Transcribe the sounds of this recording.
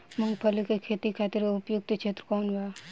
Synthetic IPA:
mə̃ŋɡpʰəlikekʰeːt̪ikʰaːt̪ɪɾeʊpjʊk̚t̪t͡ʃʰeːt̪ɾəkɔːnʋa

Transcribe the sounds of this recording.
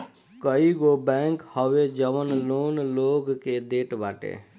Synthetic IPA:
kəiɡobɛŋkhəʋed͡ʒəʋənlonloɡked̪eʈbaʈḛ

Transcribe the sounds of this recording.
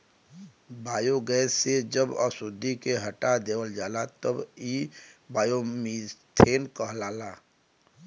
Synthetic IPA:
baːjoɡɛːsed͡ʒəbə̰sʊd̪ʱːikeɦəʈad̪eːwəld͡ʒaːlat̪əbibaːjomist̪ʰeːnkəɦlaːlaː

